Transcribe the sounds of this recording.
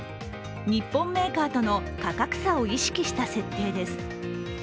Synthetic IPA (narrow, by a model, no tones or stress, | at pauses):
ɲ̟ipːõ̞mːe̞ːkaːt̪o̞no̞kakakɯ̟̥sao̞iɕi̥kʲiɕi̥t̪ase̞t̪ːe̞ːd̪e̞sɨ̥